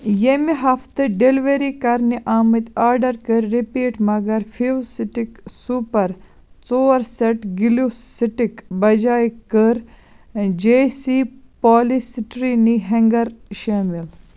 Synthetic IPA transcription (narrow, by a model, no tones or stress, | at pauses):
jemiɦɐft̪ɨɖelʋeɾikɐɾniʔaːmɐt̪ʲaːɾɖɐɾkəɾʲɾipiːʈmɐɡɐɾfʰiʋsiʈiksuːpɐɾ | t͡soːɾseʈɡilusiʈikbɐd͡ʒaːjkəɾ | d͡ʒeːsipaːlisʈɾiniɦɐŋɡɐɾʃaːmil